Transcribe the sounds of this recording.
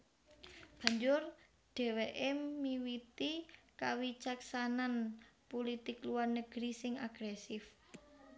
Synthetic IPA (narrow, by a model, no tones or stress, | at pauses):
b̥a̤ɲd͡ʒʊr | ɖ̥ɛ̤weʔemiwit̪ikawit͡ʃaksananpolit̪ɪkluwarnəɡ̥ɾisɪŋaɡ̥ɾɛsɪf